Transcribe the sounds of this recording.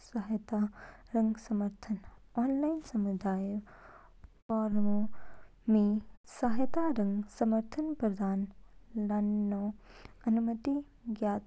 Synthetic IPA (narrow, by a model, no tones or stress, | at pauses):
sɐɦjt̪aɾɐ̃ŋɡsɐməɾt̪ʰənɔːnlaːɪnsɐmud̪aːj | pɔːɾõ | misaɦjt̪aɾɐ̃ŋɡsɐməɾt̪ʰənpɾɐd̪ʱaːnlɐnːoɐnumət̪i | ɡjaːt̪